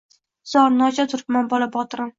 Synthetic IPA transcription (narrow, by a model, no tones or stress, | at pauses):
z̥ɒɾnɒt͡ʃʰat̪ʰʊɾɪpmanbɒlabɒt̪ɾɪn